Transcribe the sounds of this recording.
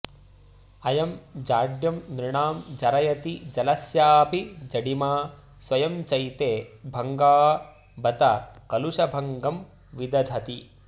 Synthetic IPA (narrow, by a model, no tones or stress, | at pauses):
ɐjɐmd͡ʒaːɖjɐmnɾiɳaːmd͡ʒɐɾɐjɐt̪id͡ʒɐlɐsjaːpid͡ʒɐɽimaː | swɐjɐmt͡ʃɐjt̪eːbʱɐŋɡaː | bɐt̪ɐkɐluʂɐbʱɐŋɡɐm | ʋid̪ɐd̪ʱɐt̪i